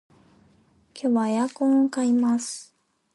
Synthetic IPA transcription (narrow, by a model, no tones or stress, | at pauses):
kʲʰoβajakõŋkaimasɨ̥